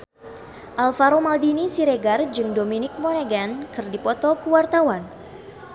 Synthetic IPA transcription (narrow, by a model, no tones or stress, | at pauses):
ʔalfaɾomaldinisiɾeɡard͡ʒɨŋdominɪk̚mɔneɡankɨrdipɔt̪ɔkəwart̪awan